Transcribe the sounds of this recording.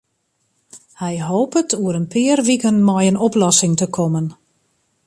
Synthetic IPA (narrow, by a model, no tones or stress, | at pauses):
hɛjɦoːpətʰuəɾənpʰɪːərʋikənmɔjənɔplɔsɪŋtəkʰɔmən